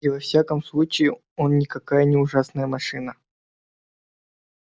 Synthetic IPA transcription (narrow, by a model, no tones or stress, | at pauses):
ɪvɐfsʲakəmslˠut͡ɕɪɪ | onnʲɪkɐkajənʲɪʊʐasnəjəmɐʂɨnə